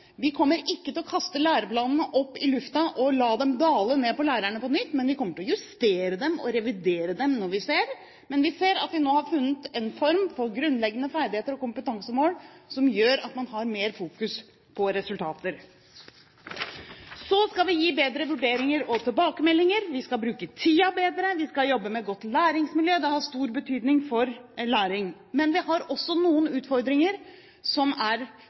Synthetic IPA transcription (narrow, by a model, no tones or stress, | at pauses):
ʋɪkʰɔmːəɾɪkːət̪ɪlɔkʰɑst̪əlæːɾəplɑːnn̩əʔɔpːɪlʉft̪ɑʔɔlɑːd̪ɛmd̪ɑːləneːpɔlæːɾæɳəpɔnʏt̪ːmɛnʋɪkʰɔmːəʈɪlɔjʉst̪eːɾəd̪ɛmɔ̰ɾɛʋɪd̪eːɾəd̪ɛmnɔɾʋɪseːɾ | mɛnʋɪseːɾɑt̪ʋɪnoːhɑɾfʉnːət̪ɛnfɔɾmfɔɾɡɾʉnlɛɡːənəfæɾɖ̪ɪheːt̪əɾɔkʊmpət̪ɑŋsəmoːlsɔmjøːɾɑt̪mɑnhɑɾmeːɾfuːkʉs | pʰɔɾɛsʉlt̪ʰɑːt̪əɾ | sɔskɑlʋɪjiːbeːd̪ɾəʋʉɖeːɾɪŋəɾɔt̪ʰɪlbɑːkəmɛlːɪŋəɾʋɪskɑlbɾʉːkət̪ʰiːɑbeːd̪ɾəʋɪskɑjɔbːəmɛɡɔt̪ːlæːɾɪŋsmɪljøːd̪ɛhɑʂt̪uːɾbət̪ʰyːd̪nɪŋfɔɾlæːɾɪŋ | mɛnʋɪhɑɾɔsːɔnuːənʉːt̪fɔɾd̪ɾɪŋəɾ | sɔmæɾ